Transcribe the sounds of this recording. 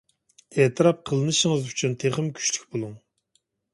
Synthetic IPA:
d̪̥ɛt̪ʰɨɾɑp̚qʰəlˠɨnɨʃəŋəzyt͡ʃʰynt̪ʰeχəmkʲʰy̥ʃlykʲbolˠuŋ

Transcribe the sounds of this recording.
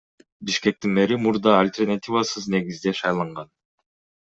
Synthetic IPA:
biʃke̞k̚t̪inmeɾimuɾd̪ɑalʲt̪ʲernat̪ʲivasɯzne̞ɡizd̪eʃɑjlˠɑɴʁɑn

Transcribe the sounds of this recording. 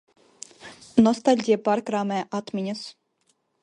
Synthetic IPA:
nɔst̪alʲɟʲijapaɾkɾaːmɛːʔat̪mʲiɲɐs

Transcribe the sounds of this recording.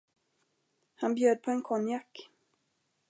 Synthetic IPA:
hanbjøːd̪̚pʰɔɛnkʰɔnjakː

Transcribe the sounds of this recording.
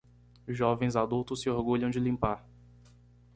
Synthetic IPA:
ʒɔvẽj̃zad̪uwt̪ʊsːɪoɾɡuʎɐ̃w̃d͡ʒɪlĩmpaɾ

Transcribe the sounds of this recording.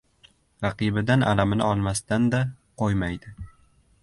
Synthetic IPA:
ɾɑqɨbɪd̪anʔa̰lamɪnɪ̰ɒlˠmast̪and̪a | qʰojmajd̪ɪ

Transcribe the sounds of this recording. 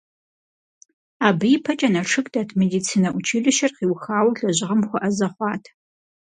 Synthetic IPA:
aːbɨjpʰɐt͡ʃʼɐnɐʂʰɨkʼdaːtʰmedit͡sʰiːnɐʔʷʊt͡ʃʰiːɮɨʃɐrχiːwxaːwɐɮɐʑɪʁɐmxʷʊʔɐzɐχʷɑːtʰ

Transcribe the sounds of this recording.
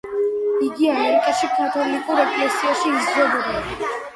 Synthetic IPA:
iɡiameɾikʼaʃipʰʼɾɔt̪ʰablikʼuɾɛpʰlɛsiaʃiizd̪ɾɛbɔd̪ia

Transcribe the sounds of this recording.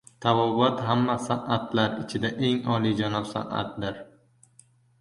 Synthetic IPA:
t̪ʰavɒbɒt̪ɦamːasaʔat̪ʰlaɾɪt͡ʃʰɪd̪aʔe̞ŋɒlid͡ʒanɒpsa̰ʔa̰t̪̚d̪ɪɾ

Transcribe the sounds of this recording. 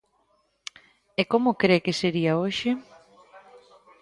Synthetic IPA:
ekomʊkɾekɪseɾiɐoʃɪ

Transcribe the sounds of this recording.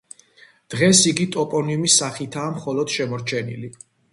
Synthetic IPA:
d̪̥ʁɛsiɡit̪ʼɔpʼɔniumisaχit̪ʰaːmχɔlɔd̪̥ʃɛmɔɾt͡ʃʰɛnḭli

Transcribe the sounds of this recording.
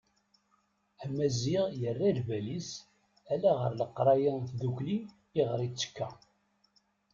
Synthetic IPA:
æmæziʁjərːælvælis | ælæʁəɾləqːɾˤɑjənθðukliː | ʁɾˤit͡sːə̥kːæ

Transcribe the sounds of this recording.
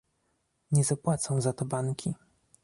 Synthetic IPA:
ɲɛzapwat̪sɔ̃w̃zat̪ɔbaŋkʲi

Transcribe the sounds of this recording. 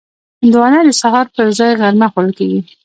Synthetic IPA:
ɪnd̪wɑnad̪əsaɦɑɾpəɾzɑjɣaɾmaxʊɾəlkeɡi

